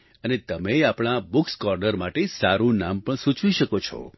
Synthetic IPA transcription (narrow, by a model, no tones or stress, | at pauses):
ənet̪əmeapɽ̃abʊkskɔɾɖəɾmaʈesaɾũnampəɳsũt͡ʃʋiʃəkot͡ʃʰɔ̰